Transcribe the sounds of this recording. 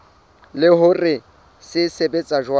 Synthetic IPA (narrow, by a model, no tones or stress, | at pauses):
lɪɦʊrɪ | sɪsebet͡sʼaʒwa